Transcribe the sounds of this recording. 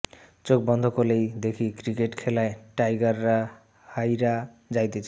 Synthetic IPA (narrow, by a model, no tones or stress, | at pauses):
t͡ɕok̚bɔnd̪ʱokolejd̪ekʰikɾikeʈkʰelaeʈajɡaɾːa | hajɾa | d͡ʑajt̪et͡ɕʰa